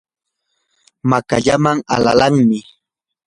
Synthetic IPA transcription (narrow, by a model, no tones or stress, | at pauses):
makaʎamaŋa̰la̰laŋmɪ